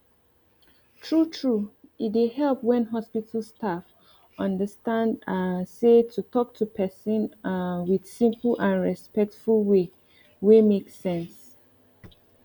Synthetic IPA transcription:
tʰɹutʰɹuit̚dehɛlpwɛ̃nɦɔspitʰəlstʰaf | ʌ̃ndəstãndasetʰutɔk̚tʰupʰɛsə̃nwid̥sĩmpl̩ãnɹɛspɛk̚tfulwe | wemeksɛ̃ns

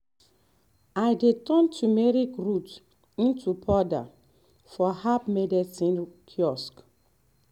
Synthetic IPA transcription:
ajdetɔ̃ntʰumɛɹikɹut | ĩntupʰɔda̰ | fɔhapmɛdɛsĩnkʰjɔsk

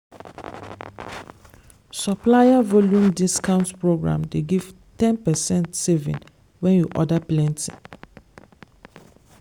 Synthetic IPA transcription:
sɔplajavɔljũmdiskãʊ̃ntpɹoɡɹã̰mdeɡiv̥ | tɛ̃npɛsɛ̃ntsevḭ̃n | wɛ̃njuʔɔdaplɛ̃ntḭ̃

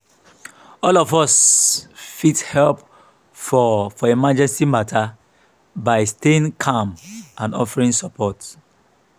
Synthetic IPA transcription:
ɔlɔfɔs | fithɛlp | fɔfɔemad͡ʒɛ̃nsimatʰa | baɪsteĩnkʰãmãnɔfaɹĩnsɔpʰɔt

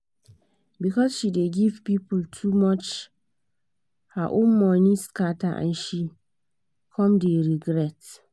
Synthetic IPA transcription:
bikʰɔsʃideɡivpipltʰumɔt͡ʃ | haʔõnmɔ̃nĩskataʔã̰nʃi | kʰɔ̃mdeɹiɡɾɛt

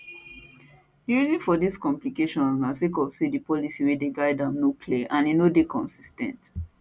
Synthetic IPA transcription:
ɹizĩnfɔdiskɔ̃mplikeʃɔ̃nãsekɔvsedipɔlisiwedeɡaɪdãmnokʰliaʔãninodekɔ̃nsi̥stɛ̰̃nt

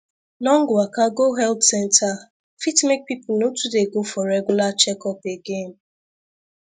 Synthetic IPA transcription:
lɔŋ̩ɡʊakaɡoɦɛltsɛntʰa | fitmek̚pipʊnotudeɡofɔɾɛɡulat͡ʃɛkɔpeɡem̩

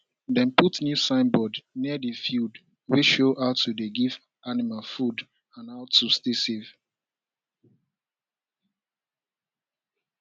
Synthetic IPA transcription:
dɛ̃nputnjusãɪ̃nbɔdniədəfild | wiʃoʔaʊtːudeɡiv | ʔanimalfud | ãnaʊtːustesev̥

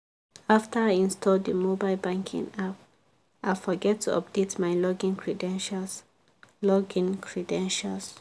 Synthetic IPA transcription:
aftʰə˞ajĩnstʰɔlddəmobaɪlbãŋkʰḭ̃ŋap | ʔafɔɡɛtʰːuɔ̰p̚detmajlɔɡĩnkʰɹɛdɛ̃nʃals | lɔɡĩnkʰɹɛdɛ̃nʃals

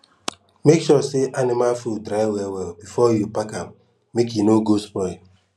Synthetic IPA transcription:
mekʃɔseʔanɪmalfudɾaɪwɛwɛlbifɔjupakap | mekjinoɡospɔɪl

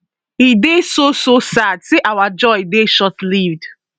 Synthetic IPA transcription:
idesososadseʔawad͡ʒɔɪdeʃɔtlivd̥

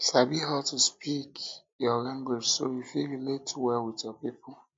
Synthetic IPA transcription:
sabiɦaʊtuspik | jɔɾãŋɡwɪd͡ʒsojufiɾiletʰuwɛwɪtjɔpipʊ

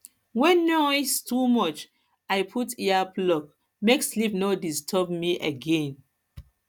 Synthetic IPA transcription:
wɛ̃nːɔistumɔt͡ʃ | ajpʰutiaplɔk | mekslipnɔdistʰɔbmiʔəɡɛ̃n

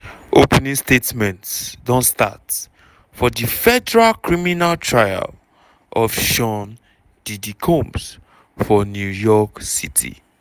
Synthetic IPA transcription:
opɛnĩnstetmɛ̃ntsdɔ̃nsta̰t | fɔdifɛdɛɹalkɹiminaltʰɹaja̰l | ʔɔfʃɔ̃n | d̥idikʰõms | fɔnjujɔksitʰḭ

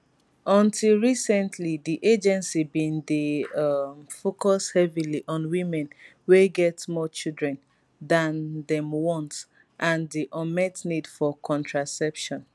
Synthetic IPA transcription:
ɔ̃ntʰilˠɹisɛ̃ntʰlidiʔed͡ʒɛ̃nsibĩnde | mfokɔshɛviliʔɔ̃nwĩmɛ̃n | weɡɛtmɔt͡ʃildɹɛ̃n | dãndɛ̃mwɔ̃nt | ʔãndiʔɔmɛtnidfɔkʰɔ̃ntʰɹasɛpʃɔ̃n

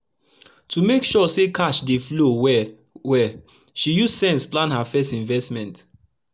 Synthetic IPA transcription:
tumekʃɔsekaʃdeflowɛ | wɛ | ʃijussɛ̃nsplãnhafɛstĩɱvɛstmɛ̃nt

